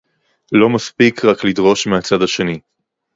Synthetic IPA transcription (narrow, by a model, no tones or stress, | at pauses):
lo̞maspikʁaklidʁo̞ʃmeat͡sadaʃe̞ni